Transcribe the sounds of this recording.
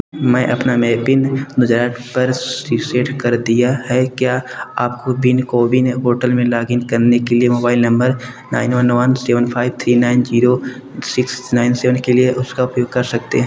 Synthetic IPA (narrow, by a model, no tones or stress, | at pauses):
mɛ̃ːʔɐpnamɛːbɪnnʊd͡ʒɾaːʈpɐɾsiseːʈkɐɾd̪ijaɦɛkjaːa̰ːp̚kobɪnkoːbʱineɦoːʈəlmẽlaːɡɪnkɐɾnekeliemoːbaːɪlnɐ̃mbəɾ | na̰ːɪnʋɐnʋɐnsɛːʋənpʰaːɪbt̪ʰɾiːnaːɪnd͡ʒiːɾo | sɪksnaːɪnsɛːʋənkelieʔʊskaʊpjoːɡ̚kɐɾsɐk̚t̪ḛɦɛ̃